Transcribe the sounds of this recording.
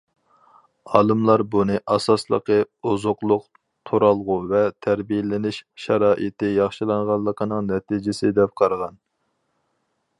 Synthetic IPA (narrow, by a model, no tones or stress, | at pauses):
ɑːlˠɨmlˠɑɾbunɨʔɑsɑslˠə̰qə | uzʊqlˠʊq | t̪ʰoɾɑlˠʁuvɛt̪ʰæɾbijɪlɪnɪʃʃɑɾɑːʔit̪ɪjɑχʃilˠɑɴʁɑlˠːəqʰənɨŋnɛt̪ʰid͡ʒɪsɪd̪ɛp̚qʰɑɾʁɑn